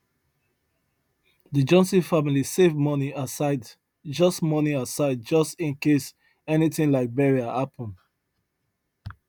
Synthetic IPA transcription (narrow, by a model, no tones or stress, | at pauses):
dəd͡ʒɔ̃nsĩfamilisevmɔniasaɪd | d͡ʒɔstmɔniasaɪd̚d͡ʒʌstĩnkes | ɛniθɪ̃ŋlaɪk̚bɛɹiahapʰɔ̃n